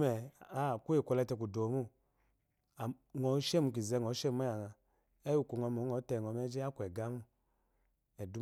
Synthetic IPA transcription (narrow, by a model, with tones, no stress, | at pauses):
ɛ˨a˦˨ku˦e˨kʷɔ˧lɛ˧tɛ˧k̬u˨do˨˦mu˦˨ | a˨ | ŋɔ˨˦ʃɛ˦˨mu˧k̬i˨zɛ˨˧˨ŋɔ˨˦ʃɛ˦mu˦a˦ja˨ŋa˨ | ɛ˦u˧˨ku˨ŋɔ˧˦mɔ˨˦ɔ˨˦tɛ˧˨ɔ˨mɛ˦d͡ʒɛ˦a˦ku˨ɛ˨ɡa˦mu˦ | ɛ˨du˦